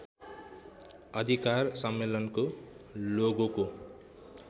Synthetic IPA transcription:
ʌd̪ʱikarsʌmːelʌnkoloɡoko

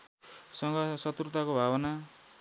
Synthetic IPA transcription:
sʌŋɡʌsʌt̪rut̪akobʱabʌna

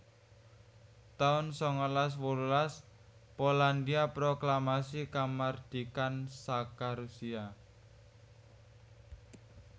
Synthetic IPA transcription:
t̪aʊnsɔŋəlas̬wolulas | poland̪iapɾoklamasikamard̪̥ikansakaɾusia

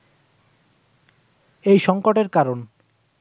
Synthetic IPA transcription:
ejʃɔŋkoʈeɾkaɾon

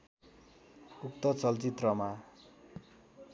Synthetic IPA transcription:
uk̚t̪ʌt͡sʌlt͡sit̪rʌma

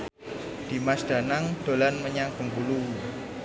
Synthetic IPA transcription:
d̪̥i̤masd̪̥a̤naŋd̪̥o̤lanməɲaŋb̥əŋɡulu

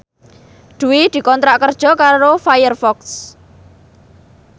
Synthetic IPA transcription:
ɖ̪̥ṳwid̪̥i̤kɔnt̪ɾaʔkərd̥ʒ̥ɔ̤kaɾofajərfɔks

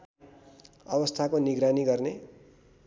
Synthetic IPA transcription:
ʌbʌst̪ʰakoniɡɾaniɡʌrne

